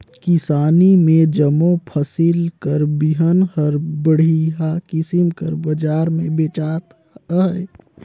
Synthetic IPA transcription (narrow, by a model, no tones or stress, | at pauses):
kɪsaːnimẽd͡ʒəmõpʰəsilkəɾbiɦənhəɾbəɽ̤iakɪsimkəɾbəd͡ʒaːɾmẽbeːt͡ʃaːt̪ | ɦə